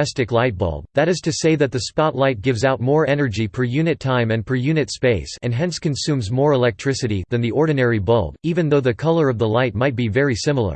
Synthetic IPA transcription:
ɛstɨklaɪt̚b̥ʌ̰lˠɡ̚ðɨɾɨz̥tʰɨseɪðɨt̪̚ðɨspɑtˡlaɪt̚ɡ̥ɪvzaʊt̚mɔɹɛnə˞d͡ʒipʰə˞jʉnɨtʰãɪ̃mɨ̃npʰə˞jʉnɨtspeɪsɨ̃nɦɛ̃nskɨ̃nsʉ̃mzmɔɹəlɛk̚tʰɹ̥ɪsɨɾiðɨ̃nðiʔɔɹdⁿn̩ɛɹibʌ̰lˠɡivɨ̃nðoʊðɨkʰʌlˠə˞ʌvðəlaɪt̚maɪt̚b̥ivɛɹisɪ̃ml̩ˠə̰˞

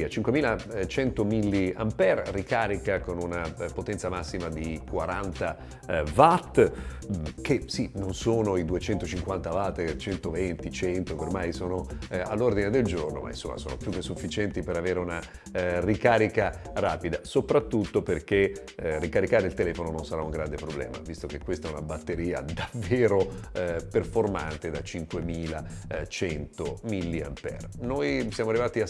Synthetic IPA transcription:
at͡ʃiŋkwemiːlat͡ʃɛnt̪omilːia̰mpɛrrikaːɾikakonunapot̪ɛnt̪samasːimad̪ikwaɾant̪a | vat̪ː | k̟esinonsoːnoid̪uet͡ʃɛnt̪ot͡ʃiŋkwant̪avat̪ːt͡ʃɛnt̪ovent̪it͡ʃɛnt̪okormajsoːnoalːord̪ined̪eld͡ʒorno̰mʔa̰ḭnso̰mːa̰soːno̰pjuk̟esːufːit͡ʃɛnt̪ipeɾaveːɾeuna | rikaːɾikaraːpid̪asopɾat̪ːut̪ːoperk̟e | rːikaɾikaːɾeilt̪elɛːfonononsaɾauŋɡɾand̪epɾoblɛ̰ːma̰vist̪ok̟ekːwest̪aɛunabat̪ːeɾiːa̰d̪avːeːɾoperforma̰nt̪ed̪at͡ʃiŋkwemiːlat͡ʃɛnt̪omilːia̰mpɛ̰rnojsjaːmoarːivaːt̪ia

